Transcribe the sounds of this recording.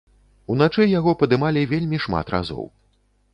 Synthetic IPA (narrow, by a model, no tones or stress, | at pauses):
unat͡ʂɛjaɣɔpɐd̪ɨmalʲivʲelʲmʲiʂma̰t̪ɾa̰zɔ̰w